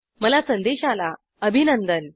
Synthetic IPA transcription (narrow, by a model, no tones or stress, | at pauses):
məlasənd̪eɕala | əbʱinənd̪ən